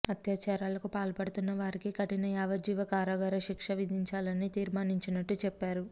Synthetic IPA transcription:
ɐt̪jaːt͡ʃaːɾaːlɐkupaːlpɐɽut̪unːɐʋaːɾikikɐʈinɐjaːʋɐd͡ʒiːʋɐkaːɾaːɡɐɾɐʃikʂɐʋid̪ʱiɲt͡ʃaːlɐnːit̪iːɾmaːniɲt͡ʃinɐʈːut͡ʃɛpːaːɾu

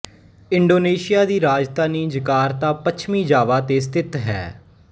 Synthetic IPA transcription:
ɪɳɖoːneːʃɪjaːd̪iːɾaːd͡ʒt̪aːniːd͡ʒɪkaːɾt̪aːpət͡ʃʰmĩːd͡ʒaːʋaːt̪eːs̬t̪ɪt̪ɦɛ̰ː

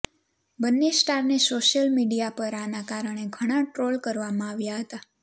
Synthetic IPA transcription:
bənːesʈaɾnesoʃəlmiɖijapəɾanakaɾəɳ̃eɡʱəɽ̃aʈɾolkəɾʋamãaʋjaɦət̪a

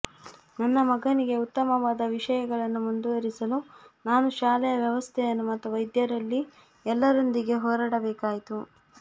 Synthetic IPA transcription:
nɐnːɐmɐɡɐniɡe̞ut̪ːɐmɐʋaːd̪ɐʋiʂɐjɐɡɐɭɐnːumund̪uʋɐɾisɐlunaːnuʃaːlɛjɐʋjɐʋɐst̪ʰɛjɐnːumɐt̪ːuʋɐjd̪jɐɾɐlːi | ɛlːɐɾond̪iɡe̞ɦɔːɾaːɽɐbɛːkaːjit̪u

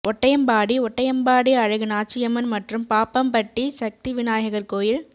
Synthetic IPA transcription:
ʔɔʈːɐjɐmbaːɽiɔʈːɐjɐmbaːɽiɐɻɐɣɯnaːt͡ʃːɪjɐmɐnmɐʈrɯmpaːpɐmpɐʈːisɐk̚t̪iʋɪnaːjɐɣɐrkoːjɪl

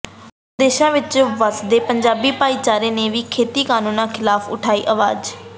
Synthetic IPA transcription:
d̪eːʃãːʋɪt͡ʃʋəsd̪eːpəɲd͡ʒaːbiːpaːiːt͡ʃaːɾeːneːʋiːkʰeːt̪iːkaːnũːnãːkʰɪlaːfʰʊ̰ʈʰaːḭːʔəʋa̰ːd͡ʒ

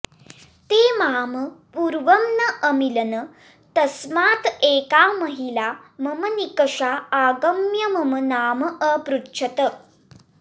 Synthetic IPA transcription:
t̪eːmaːməpuːɾʋɐmnɐʔəmilɐnɐ | t̪ɐsmaːt̪eːkaːmɐɦilamɐmɐnikɐʂaaːɡɐmjɐmɐmɐnaːmɐʔɐpɾutːt͡ʃʰɐt̪ə

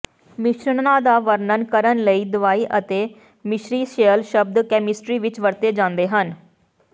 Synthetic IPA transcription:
mɪʃɾəɳnaːd̪aːʋəɾnənkəɾənləiːd̪ʊʋaːiːʔət̪eː | mɪʃɾiːʃeəlʃəb̚d̪kɛːmɪsʈɾiːʋɪt͡ʃʋəɾt̪eːd͡ʒãːnd̪eːɦən

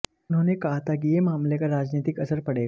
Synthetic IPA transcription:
n̤unekaɦt̪akijemamlekaɾad͡ʑnet̪ikəsəɾpəɽe

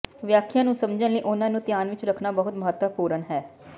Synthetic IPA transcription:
ʋjaːkʰjãːnũːsəmd͡ʒənləiːʔʊnãːnũːt̪ɪjaːnʋɪt͡ʃɾəkʰnaːbəɦʊt̪məɦət̪ʋəpuːɾənɦɛː

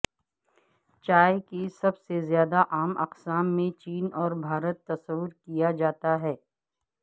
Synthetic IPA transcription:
t͡ʃaːekisɐbsezjaːd̪aʔaːmɐqsaːmːẽt͡ʃiːnɔːɾbʱaːɾət̪ːɐsəwəɾkijad͡ʒaːt̪aɦɛː

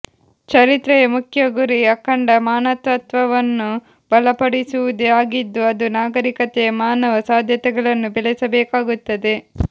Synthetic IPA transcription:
t͡ʃɐɾit̪ɾɛjɐmukʰjɐɡuɾiɐkːɐɳɖɐmaːnɐt̪ʋɐt̪ʋɐʋɐnːu | b̥ɐlɐpɐɽisuʋud̪eaːɡid̪ːuɐd̪unaːɡɐɾikɐt̪ejɐmaːnɐʋɐsaːd̪ʱjɐt̪ɛɡɐɭɐnːubɛlɛsɐbɛːkaːɡut̪ːɐd̪e̞

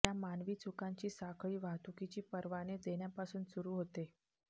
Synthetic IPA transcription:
jamanʋiːt͡sukaɲt͡ɕiːsakʰɭiːʋat̪ukit͡ɕiːpəɾʋaned̪eɳjapasuːnsuɾuːɦot̪e

